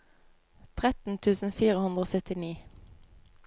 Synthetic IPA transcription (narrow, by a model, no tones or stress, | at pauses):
t̪ʰʁɛt̪n̩t̪ʰʉːsn̩fiːʁəhʉnd̪ʁoːsœt̪ɪniː